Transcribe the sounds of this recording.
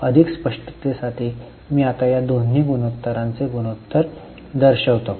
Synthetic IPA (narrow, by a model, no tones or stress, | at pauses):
əd̪ʱikspəʂʈə̥t̪esaʈʰiː | miːat̪ajad̪on̤ːiːɡunot̪ːəɾãnt͡seɡunot̪ːəɾ | d̪əɾɕəʋt̪o